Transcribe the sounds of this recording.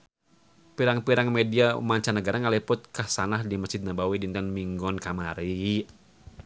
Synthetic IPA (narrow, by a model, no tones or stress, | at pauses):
piɾaŋpiɾaŋmedia̰maɲt͡ʃanəɡaɾaŋalipʊt̪̚kahsanahdiməsd͡ʒid̪̚nabawidint̪ɛnmiŋɡɔnkamaɾi